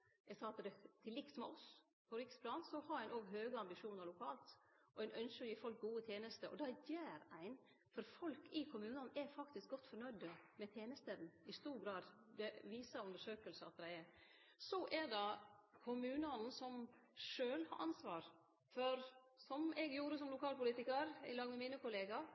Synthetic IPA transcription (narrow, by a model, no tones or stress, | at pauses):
jɛɡsɑːɑt̪d̪ɛt̪ʰɪlːɪkt̪mɛɔs | pʰɔɾɪkspʰlɑːnsɔhɑɾæɪnoːɡɦøːɡəɑmbɪʂuːnəɾɭʊkʰɑːlt̪ʔɔæɪnœnʃəɾjiːfɔlk̚ɡuːət̪ʰjeːnəst̪əʔɔ̰d̪ɑjeːɾæɪn | fɔɾfɔlkʰɪkʰʊmʉːnɑnʔɛfɑkt̪ɪsk̚ɡɔt̪ːfɔnœʏd̪əmɛt̪ʰjeːnəst̪əd̪n̩ɪst̪uːɾɡɾɑːd̪ | d̪ɛʋiːsəʉnd̪əʂøːkəlsəɑ̰t̪̚d̪æɪɛɾ | sɔʔɛɖɑkʰʊmʉːnəɑnn̩sɔmʂøːlhɑ̰ɾʔɑ̰nsʋɑːɾ | fɔɾ | sɔmɛɡjuːɾəsɔmlʊkʰɑːlpʊliːt̪ɪkəɾɪ̰lɑːɡmɛmiːnəkʊleːɡɑ